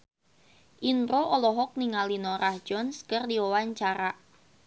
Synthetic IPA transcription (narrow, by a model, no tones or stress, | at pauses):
ʔinɾoʔɔlɔɦɔk̚niŋalinɔɾahd͡ʒ̥ɔnskərdiwɔwaɲt͡ʃaɾaʔ